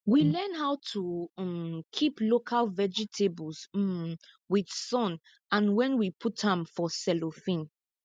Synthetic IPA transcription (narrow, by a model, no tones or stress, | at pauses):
wilɛ̃nhaʊtʰu | kʰiplokʰalvɛd͡ʒitʰebls | wid̥sɔ̃n | ãnwɛ̃nwipʰuthãmfɔsɛlofĩn